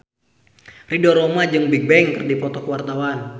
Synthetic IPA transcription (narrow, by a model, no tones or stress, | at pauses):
ridɔɾomad͡ʒɨŋbiɡ̚bɛŋkərdipɔt̪ɔkuwart̪awan